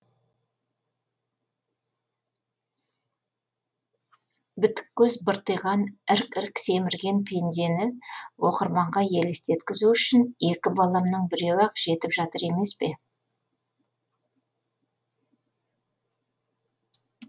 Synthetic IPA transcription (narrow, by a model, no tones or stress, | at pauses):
bɪt̪ɪ̥kʲːɵzbəɾt̪əjʁɑnɪɾkɪɾkse̞mɪɾɡʲe̞npʰe̞nd̪e̞nɪwo̞qəɾmɑɴʁɑje̞lɪst̪e̞t̪kʲɪzuʏʃɪne̞kʲɪbɑlˠɑmnəɴbɪɾe̞wɑqʒ̥e̞t̪ɪpʒɑt̪əɾe̞me̞spe̞